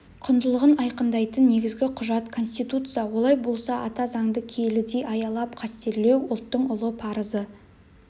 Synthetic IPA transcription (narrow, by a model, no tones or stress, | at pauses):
qʰʊnd̪əlˠəʁənɑjqənd̪ɑjt̪ənːe̞ɡʲɪzɡʲɪqʰʊʒɑt̪kʰo̞nsʲt̪ijt̪ut̪sɨjawo̞lˠɑjbo̞lˠsɑʔɑt̪ɑzɑŋd̪əkʲʰe̞lɪd̪e̞jʔɑjɑlˠɑp̚qʰɑst̪e̞ɾle̞wʊlˠt̪ːəɴʊlˠəpʰɑɾəzə